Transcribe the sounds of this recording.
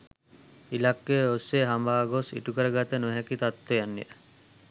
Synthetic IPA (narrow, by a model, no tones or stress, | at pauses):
ilakːeosːeɦambaːɡosḭʈukəɾəɡat̪ənuɦækit̪at̪ːejanːḭʔə